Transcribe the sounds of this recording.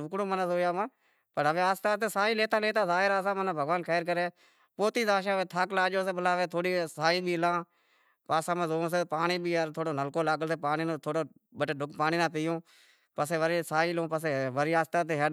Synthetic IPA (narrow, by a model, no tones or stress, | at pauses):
ʊkɽõːmənəsoːjaːmãː | pəɾəʋẽːaːst̪aːt̪eːsaːiːleːt̪aːleːt̪aːzaːɦɪɾaːsãːmənaːbʱəɡʋaːnkʰɛːɾkəɾeː | poːt̪iːzaːʃ̬ãːʋẽːt̪ʰaːklaːd͡ʒoːs̬eːbəlaːʋeːt̪ʰoːɽiːsaːiːbʱiːlãː | paːsãːmãːzoːs̬eːpaːɳiːbʱiːəɾt̪ʰoːɽoːnəlkoːlaːɡəlseːpaːniːnõːt̪ʰoːɽoː | bəʈeːɖʊkpaːniːnãːpiːõː | pəseːʋəɾiːsaːiːlõːpəs̬eːʋəɾiːaːst̪aːt̪̬eːɦə